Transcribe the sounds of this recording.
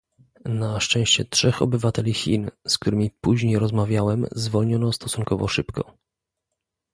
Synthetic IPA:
naʂt͡ʂɛ̃w̃ɕt͡ɕɛtʂɛxɔ̰bɘvat̪ɛlʲixʲḭnsk̚t̪uɾɘmʲipuʑɲejɾɔzmavʲjawɛmzvɔlɲɔnɔst̪ɔsuŋkɔvɔ̰ʂɘpkɔ̰

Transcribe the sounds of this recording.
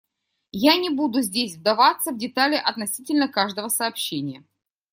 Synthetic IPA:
janʲɪbud̪ʊzʲdʲesʲvd̪ɐvat̪sːəvdʲɪt̪alʲɪʔɐt̪nɐsʲitʲɪlʲnəkaʐd̪əvəsɐːpɕːenʲɪjə

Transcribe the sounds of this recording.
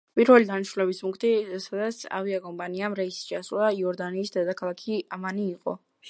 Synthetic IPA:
pʼiɾvɛlid̪aniʃɾulɛbismuŋkʰt̪ʰʼisad̪at̪sʰa̰viakʼɔmpʼaniamɾɛist͡ʃʰasulˠaiɔɾd̪aniːsd̪ɛd̪akʰalˠakʰiamaniːqʼɔ̰

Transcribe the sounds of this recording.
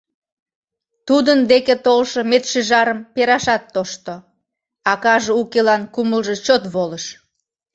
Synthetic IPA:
t̪ud̪ənd̪eket̪olʃomet̪ʃeʒɑɾəmpeɾɑʃɑt̪ːoʃt̪o | ɑkɑʒeukelɑnkuməlʒet͡ɕot̪βoləʃ

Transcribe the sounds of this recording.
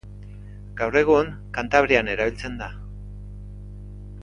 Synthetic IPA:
ɡ̥awre̞ɣ̞uŋ | kant̪aβɾiane̞ɾaβilt͡se̞nd̪a

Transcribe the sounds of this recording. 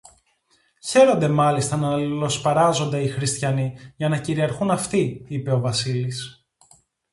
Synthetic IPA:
çe̞ɾo̞nd̪e̞mɐlist̪ɐnɐɐlilo̞spɐɾɐzo̞nd̪eixɾist̪çɐniʝɐnɐciɾiɐɾxunɐft̪iipe̞o̞vɐsilis

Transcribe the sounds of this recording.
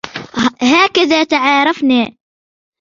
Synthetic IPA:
ɦaːkaðaːt̪aʕaːɾˤɑfni

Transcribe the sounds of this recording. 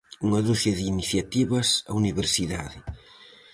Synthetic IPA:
uŋɐðusjɐðiiːniθjat̪iβɐsa̰uniβeɾsiðaðɪ

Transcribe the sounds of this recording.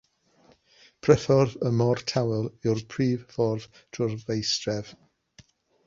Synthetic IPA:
pʰrɛfɔrðəmɔrtʰawɛlˠɪrpʰriːvfɔrv̥ | tʰʊrvejstrɛv

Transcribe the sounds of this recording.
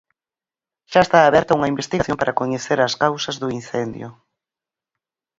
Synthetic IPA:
ʃaest̪aːβɛɾt̪auŋɐimbest̪iɣaθjompaɾɐkoɲeθeɾɐskawsɐzðʊin̟θend̪jʊ̰

